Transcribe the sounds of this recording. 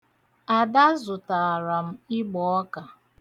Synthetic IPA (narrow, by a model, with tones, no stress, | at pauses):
a˨da˦zʊ˨ta˨ɾa˨m̩˦ɪ˦ɡ͡bɔ˨ɔ˦ka˨